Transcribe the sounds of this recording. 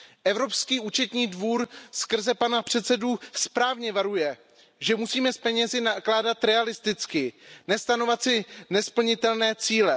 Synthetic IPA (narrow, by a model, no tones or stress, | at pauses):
ʔɛvɾo̞pskiːʔuːt͡ʃɛt̪ɲiːdvuːɾskr̩zɛpanapr̝̥ɛt̪sɛduspɾaːvɲɛvaɾujɛ | ʒɛmusiːmɛspɛɲɛzɪnaklaːdat̪ɾɛalɪst̪ɪt͡skɪnɛst̪ano̞vat̪sɪnɛspl̩ɲɪt̪ɛlnɛːt͡siːlɛ